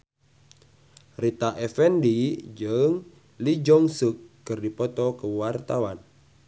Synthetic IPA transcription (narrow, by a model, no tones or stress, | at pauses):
rit̪aʔɛfɛndid͡ʒɨŋ | lid͡ʒɔŋsukːɨrdipɔt̪ɔkəwart̪awan